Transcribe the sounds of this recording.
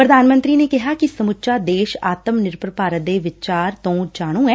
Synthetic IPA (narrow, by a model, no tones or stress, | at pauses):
pɾəd̪aːnmə̃nt̪ɾiːneːkɪɦaːkɪsəmʊtːʃaːd̪eːʃaːt̪əmnɪɾpɾəpaːɾət̪̚d̪eːʋɪt͡ʃaːɾt̪õːd͡ʒaːɽ̃ũːɛː